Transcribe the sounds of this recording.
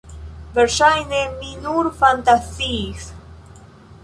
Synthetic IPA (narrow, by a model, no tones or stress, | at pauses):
vɛɾʃajneminuɾfant̪asiːs